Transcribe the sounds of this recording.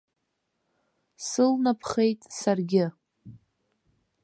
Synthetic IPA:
sɨlnapʰχe̞jtʼsarɡʲɪ

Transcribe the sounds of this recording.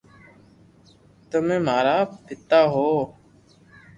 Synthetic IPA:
t̪əmẽːm̤aːɾaːpɪt̪aːɦoː

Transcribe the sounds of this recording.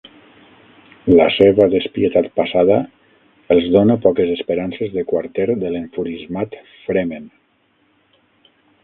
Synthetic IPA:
la̰seβaðespiet̪at̪pasaðə | əlˠzðonapɔkezəspeɾansezðekwaɾt̪ɛɾd̪əleɱfuɾizmat̪ | fɾemen

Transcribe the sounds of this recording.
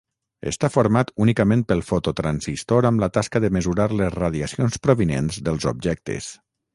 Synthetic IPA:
ə̰st̪afoɾmat̪unikəmẽnpəlˠfot̪ot̪ɾanzist̪oɾəmlət̪askəðəməzuɾaɾləzraðiəsionspɾoβinenzðəlˠzo̰bʒɛk̚t̪ə̰s

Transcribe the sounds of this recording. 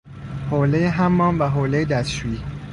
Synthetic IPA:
holejeɦæmːɒːnvæɦoːlejed̪æsʃui

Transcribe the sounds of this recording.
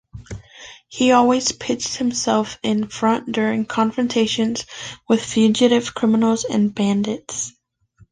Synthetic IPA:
hiɔlˠwiz̥pʰɪt͡ʃt̚hɨ̃msɛlˠfɪ̃nfɹʌ̃nd̥ʊɹɪ̃ŋkʰɑ̃ɱfɹɨ̃ntʰeɪʃɨ̃nz̥wɨð̥fjʉd͡ʒɨɾɨv̥kʰɹ̥ɪ̃mənl̩ˠzɨ̰̃nbæ̃ndɨts

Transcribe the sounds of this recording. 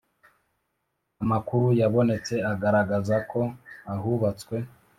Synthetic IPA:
amakuɾujaβo̞ne̞t͡se̞aɡaɾaɡazakʰo̞ahuβat͡swe̞

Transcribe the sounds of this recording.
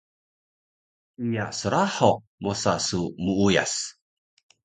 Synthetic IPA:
ijasəɾaħo | mosasumuuja̰s

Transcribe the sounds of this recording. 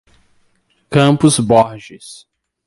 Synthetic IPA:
kɐ̃pʊzbɔɾʒɪs

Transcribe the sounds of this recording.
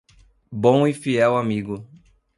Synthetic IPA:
bõw̃ifiɛwamiɡʊ

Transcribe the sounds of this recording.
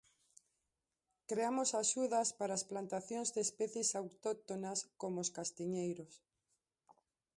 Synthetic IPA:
kɾeamosaʃuðɐspaɾaːsplant̪aθjõŋzðeespɛθjesawt̪ot̪onaskomooskast̪iɲejɾos

